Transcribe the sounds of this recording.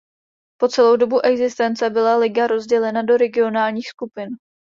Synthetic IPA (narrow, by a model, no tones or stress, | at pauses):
po̞t͡sɛlo̞wdo̞buʔɛɡzɪst̪ɛnt͡sɛbɪlalɪɡaɾo̞zɟɛlɛnado̞ɾɛɡɪo̞naːlɲiːxskupɪn